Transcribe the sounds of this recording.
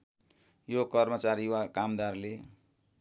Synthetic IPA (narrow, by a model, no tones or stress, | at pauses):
jokʌrmʌt͡saɾiwakamd̪arle